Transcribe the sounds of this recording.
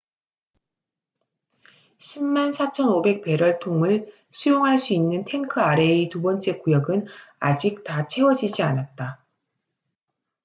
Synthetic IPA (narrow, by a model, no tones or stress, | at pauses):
ɕʰimːansʰat͡ɕʰʌnobe̞k̚pe̞ɾwʌɭtʰoŋɯɭ | sʰujoŋɦaɭs͈uinːɯntʰe̞ŋkʰɯaɾe̞itubʌnt͡ɕ͈e̞kujʌɡɯna̰d͡ʑik̚tat͡ɕʰe̞wʌd͡ʑid͡ʑianat̚t͈a